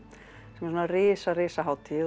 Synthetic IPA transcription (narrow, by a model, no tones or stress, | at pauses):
sɛmɛɾsɔnarɪːsarɪːsaɦaːwt̪ʰi